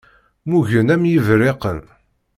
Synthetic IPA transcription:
muʝənæmjəvɾeqən

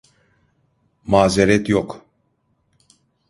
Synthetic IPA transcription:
maːzɛɾɛt̪jɔk

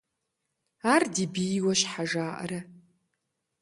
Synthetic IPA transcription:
aːrdibiwɐʃħaʒaːʔɐ̰ɾɐ

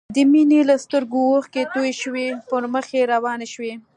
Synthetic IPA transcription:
d̪əminelast̪əɾɡowoxket̪ojʃwepəɾməxeɾawɑneʃwe

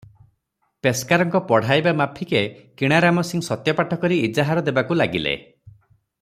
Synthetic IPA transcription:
peskaɾɔŋkɔpɔɽ̤ajbamapʰikekiɽ̃aɾamɔsiŋsɔt̪jɔpaʈʰɔkɔɾiːd͡ʒaɦaɾɔd̪ebakulaɡilḛ

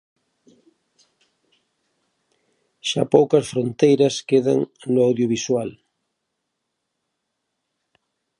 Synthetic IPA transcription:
ʃapowkɐsfɾõnt̪ejɾɐskeðaŋnoawðjoβ̞iswal

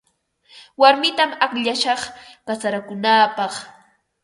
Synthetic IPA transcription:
waɾmɪt̪amakʎaʃɑχpasaɾakʊnaːpɑχ

